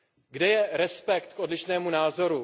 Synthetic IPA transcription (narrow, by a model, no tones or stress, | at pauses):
ɡdɛjɛɾɛspɛkt̪kʔo̞dlɪʃnɛːmunaːzo̞ɾu